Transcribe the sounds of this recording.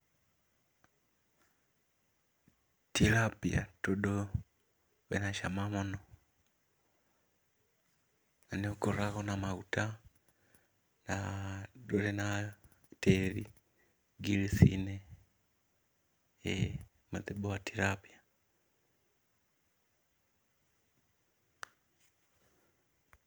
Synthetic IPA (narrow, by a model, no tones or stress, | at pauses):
tiɾapia̰tɔɗɔ | βɛ̰naʃamamɔnɔ | anɛukɔɾaɣɔnamauta | naɗɔɾɛna | tɛɾi | ɡiɾisḭnɛ | ɛ | maðɛbɔatiɾapia